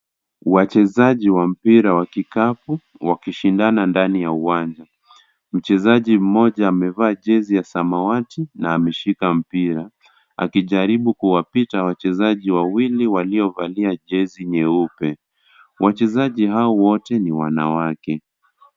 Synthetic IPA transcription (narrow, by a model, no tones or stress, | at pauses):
wat͡ʃɛzaʄiwam̩piɾawakikapu | wakiʃindanandanijauwand͡ʒa | m̩t͡ʃɛzaʄim̩mɔʄaːmɛvaːʄɛzijasamawatinaːmɛʃikam̩piɾa | a̰kiʄaɾiɓukuwapitawat͡ʃɛzaʄiwawiliwaliɔvaliaʄɛziɲɛupɛ | wat͡ʃɛzaʄiɦaɔwɔtɛniwana̰wakɛ